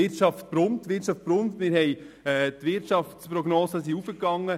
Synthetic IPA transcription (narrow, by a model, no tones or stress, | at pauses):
ɪrt͡ʃɑft̚pɾʊmtːʋɪt͡ʃɑft̚b̥ɾʊmtmɪɾɦɛj | ɛːtʋɪrtʃɑftspɾɔɡnɔːsəsiufəkːɑŋːə